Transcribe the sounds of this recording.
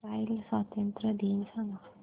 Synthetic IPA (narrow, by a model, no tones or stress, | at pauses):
ajlsat̪jɐnt̪ɾəd̪iːnsana